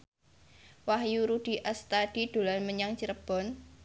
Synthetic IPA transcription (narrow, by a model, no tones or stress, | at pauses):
waɦjuɾud̥i̤ʔast̪ad̥i̤d̪̥o̤lanməɲaŋt͡ʃiɾəb̥ɔ̤n